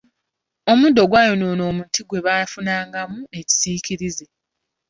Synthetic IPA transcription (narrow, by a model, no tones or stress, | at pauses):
o̞mudo̞ɡwaːjonoːno̞ːmutiɡwe̞βafunaːŋɡamue̞ci̥siːciɾize